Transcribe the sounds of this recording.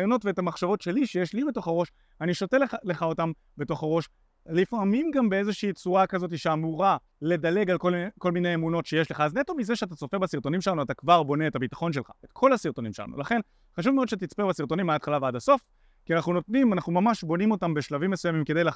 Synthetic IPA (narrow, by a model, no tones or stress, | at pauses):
jono̞tveetamaχʃavo̞tʃe̞liʃejeʃlibe̞to̞χaʁo̞ʃ | aniʃo̞te̞le̞χao̞tam | be̞to̞χaʁo̞ʃ | lifamimɡambee̞zeʃiːt͡suakazo̞t̬iʃeamuʁa | le̞dale̞ɡalkolko̞lmine̞jemuno̞tʃeje̞ʃleχaːznet̪o̞mizeʃeat̬at͡so̞feʁbasiʁto̞nimʃelanuat̪akvaʁbo̞ne̞ːtabit̪ḁχo̞nʃ̬elχa̰etkʰo̞lhasiʁto̞nimʃela̰nṵlaχe̞n | χaʃ̬uvmeodʃet̪it͡spebasiʁto̞nimaaːt̪χalaveadaso̞f | kianaχnuno̞t̪nimanaχnumamaʃbo̞nimo̞tambe̞ʃlavimːesujamimkedejla